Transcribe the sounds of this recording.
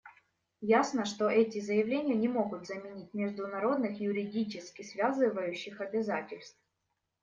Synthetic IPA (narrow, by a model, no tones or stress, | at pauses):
jasnəʂt̪o̞ʔɛtʲɪzəjɪvlʲenʲɪjənʲɪmo̞ɡʊt̪zəmʲɪnʲitʲmʲɪʐd̪ʊnɐɾo̞d̪nɨxjʊɾʲɪdʲit͡ɕɪskʲɪsvʲazɨvəjʉɕːɪxɐbʲɪzatʲɪlʲst̪f